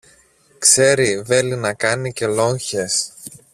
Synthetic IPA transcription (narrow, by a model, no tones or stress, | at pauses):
kse̞ɾive̞linɐkɐnice̞lo̞ɲçe̞s